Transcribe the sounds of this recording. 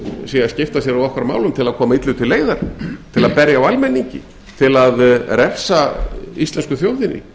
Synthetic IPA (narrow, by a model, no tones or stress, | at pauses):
sɛɣascɪft̪asjɛɾawɔkɾamaːwlʏmt̪ʰɪlaðkʰɔːmait̪lʏðt̪ʰɪlːeːjðaɾ̥t̪ʰɪlaðpɛɾjaːwalmɛnːiɲcɪ̰ | t̪ʰɪlaðɾɛr̥saist̪lɛnskʏθjowðɪnːɪ̰